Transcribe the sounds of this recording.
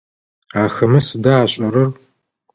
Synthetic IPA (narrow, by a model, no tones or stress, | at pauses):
aːxɐmɨsɨdaːɕʼɐɾɐr